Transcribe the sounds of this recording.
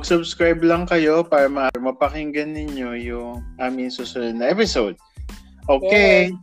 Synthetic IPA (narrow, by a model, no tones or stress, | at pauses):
mɐɡsʊbskɹajblɐŋkɐjo̞paːɾɐmɐʔaːɾɪmɐpɐkɪŋɡɐnːɪɲo̞jʊŋʔaːmɪŋsuːsʊnod̪̚nɐʔɛpɪsowd̪̚ | ʔoːke